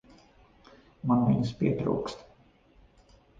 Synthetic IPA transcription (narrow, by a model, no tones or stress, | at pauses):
manminspḭɛt̪ɾṵːkst̪